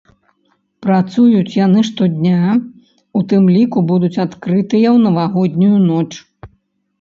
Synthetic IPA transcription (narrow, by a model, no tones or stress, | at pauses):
pɾat̪sujut͡sʲjanɨʂt̪ɔd̪ʲnʲa | ut̪ɨmlʲikubud̪ut͡sʲat̪kɾɨt̪ɨjɐwnɐvaɣɔd̪ʲnʲujunɔt͡ʂ